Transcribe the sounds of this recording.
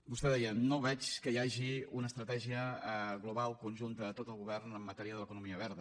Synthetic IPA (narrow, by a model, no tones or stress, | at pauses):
bust̪ɛðɛjənoβɛt͡ʃkəiaʒiunəːst̪ɾət̪ɛʒiəɣluβalˠkunʲʒunt̪əːt̪ot̪əlˠɣuβɛrnəmːət̪ɛɾiəðələkunumiəβɛɾðə